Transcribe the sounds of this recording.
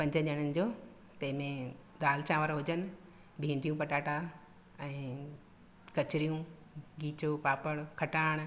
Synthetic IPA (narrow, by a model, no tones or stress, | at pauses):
pɐ̃ɲd͡ʑəʄəɽ̃ənɪ̆d͡ʑoː | t̪ɐ̃ɦɪ̃mẽd̪aːlt͡ɕʰãːʋəɾɦʊd͡ʑənɪ̆ | bʱĩːɳɖijũpɐʈaːʈa | ɛ̃ː | kɐt͡ɕɪɾijũ | ɡiːt͡ɕopaːpəɽkʰɐʈaːɽ̃